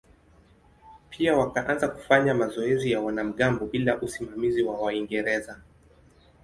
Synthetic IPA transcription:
pʰiawakaʔanzaku̥faɲamazɔɛzijawanam̩ɠambɔɓilaʔusimamiziwawaiŋɡɛɾɛza

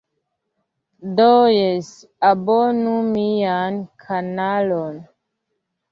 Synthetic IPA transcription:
dojes | abonumijankʰanalon

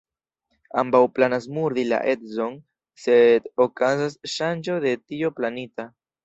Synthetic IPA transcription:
ambawplanas̬muɾdila̰ʔe̞tzo̞n | se̞dokazasʃand͡ʒo̞de̞tio̞planita

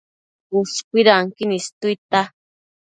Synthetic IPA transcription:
uskʷiɾaŋkinist̪ujt̪a

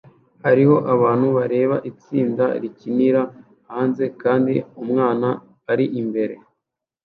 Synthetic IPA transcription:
haɾiho̞ʔaβaːn̥huβaɾe̞ːβa̰ʔit͡siːnda̰ɾiciniɾa | haːnze̞kaːndiumŋaːnaː | ɾiʔimbe̞ɾe̞

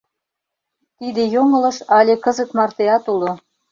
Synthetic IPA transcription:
t̪id̪ejoŋɤ̆lɤ̆ʃɑlʲekɤ̆zə̆kmɑrt̪eɑt̪ulŏ

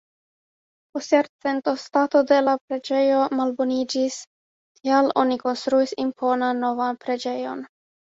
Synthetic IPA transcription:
post̪jaɾt͡se̞nto̞stato̞de̞lapɾe̞d͡ʒe̞jo̞malbo̞nid͡ʒis | kʰialo̞̰niko̞nst̪ɾuisimpʰo̞nanːo̞vanpɾe̞d͡ʒe̞jo̞n

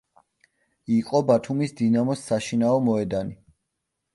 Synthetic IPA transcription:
iqʼɔbat̪ʰumisd̪inamɔsːaʃinaɔmɔɛd̪ani

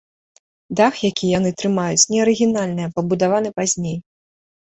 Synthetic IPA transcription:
d̪axjakʲʰijan̪ɨt̪ɾɨmajut͡sʲnʲɛɐɾɨɣʲinalʲnɨjɐpɐbud̪avanɨpazʲnʲej

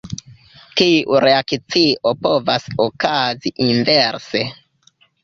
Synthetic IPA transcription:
kiuɾe̞akt͡siopovasokaziʔinveɾse

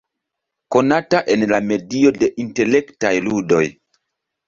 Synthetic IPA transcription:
ko̞nataʔe̞nlame̞dio̞de̞ʔinte̞le̞ktajludo̞̰j

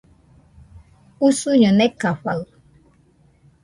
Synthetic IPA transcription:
usuɲonekaɸal

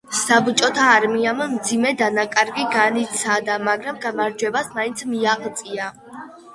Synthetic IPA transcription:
sabt͡ʃʼɔt̪ʰaːɾmiammd̪zimɛd̪anakʼaɾɡiɡanit̪sʰad̪amaɡɾamɡamaɾd͡ʒwɛbasmaint̪sʰmiaqʼt̪sʼia

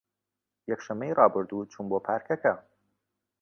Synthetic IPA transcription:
jɛkʃɐmːejrɑːbɨɾd̪uːt͡ʃʰunboːpʰaːɾkʰɐkɐ

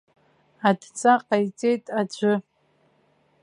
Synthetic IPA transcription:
adt͡sʼaqʼajt͡sʼe̞jtʼad͡ʒʷʊ

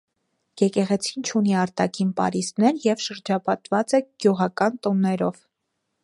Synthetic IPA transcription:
jɛkɛʁɛt͡sʰint͡ʃʰuniɑɾt̪ɑkʰinpɑ̰ɾisnɛɾjɛvʃəɾd͡ʒɑpɑt̪vɑt͡sɛɡ̥juʁɑkɑnt̪ɔnːɛɾɔv

